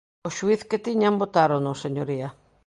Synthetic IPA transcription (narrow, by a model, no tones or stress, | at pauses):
oʃuiθket̪iɲambot̪aɾonʊseɲoɾiɐ